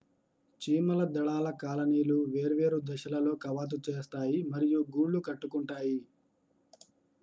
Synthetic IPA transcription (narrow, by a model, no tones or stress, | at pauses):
t͡ʃiːmɐlɐd̪ɐɭaːlɐkaːlɐniːluʋe̞ːɾuʋe̞ːɾud̪ɐʃɐlɐlo̞ːkɐʋaːt̪̬ut͡ʃeːst̪aːjimɐɾijuɡuːɭːukɐʈːukuɳʈaːji